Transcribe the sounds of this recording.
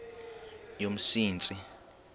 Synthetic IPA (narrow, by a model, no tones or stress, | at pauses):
jom̩siːnt͡sʼi